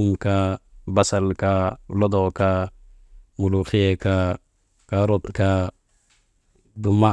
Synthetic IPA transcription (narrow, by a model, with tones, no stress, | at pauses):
u˦mka˨ba˦sa˨lka˨lɔ˦dɔ˨ka˦ | mu˨lu˨xi˦e˨ka˦ | ka˨ɾo˦t̪ka˦ | du˨ma˦